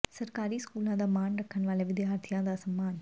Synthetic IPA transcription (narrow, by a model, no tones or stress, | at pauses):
sɐɾkaːɾiːskuːlãːd̪ɐmaːɳɾɐkʰːɐnʋaːlɐʋɪd̪jaːɾt̪ʰijãːd̪ɐsɐmːaːn